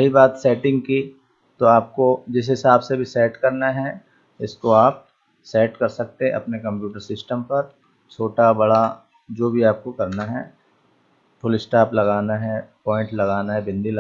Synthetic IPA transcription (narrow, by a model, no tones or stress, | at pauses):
ɐɦibaːt̪sɛːʈɪ̃ŋɡ̚ki | t̪oaːp̚kod͡ʒɪs̬ɦɪsaːbsebʱisɛːʈkɐɾnaɦɛ | ɪskoaːp̚ | sɛːʈkɐɾsɐk̚t̪ẽʔɐ̰pnekɐ̃mpjuːʈəɾsɪsʈəmpɐɾ | t͡ʃʰoːʈabɐɽa | d͡ʒoːbʱiaːp̚kokɐɾnaɦɛː | fʰʊlɪsʈaːplɐɡaːnaɦɛpɔːɪ̃ɳʈlɐɡaːnaɦɛbɪ̃nd̪ʱil